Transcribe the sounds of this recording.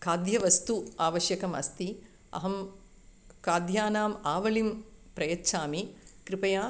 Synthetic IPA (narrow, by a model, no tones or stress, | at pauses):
kaːd̪jɐʋɐst̪uaːʋɐʃjɐkɐmɐ̰st̪i | ɐ̰ɦɐm | kaːd̪jaːnaːmaːʋɐlimpɾɐjɐtːʃʰaːmikɾipɐjaː